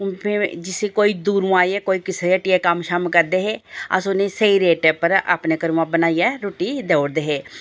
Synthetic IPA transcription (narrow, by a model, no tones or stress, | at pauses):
pʰeːd͡ʒɪseːkoːiːd̪uːɾũːaːiɛːkoːiːkɪsɾeeːʈiɛːkəmʃəmkəɾd̪eːɦeːə̰sonẽːsəiːɾeːʈɛpəɾa̰ːpneːkəɾũːãːbənaːijɛːɾoːʈiːd̪eːoːɾd̪eːɦeː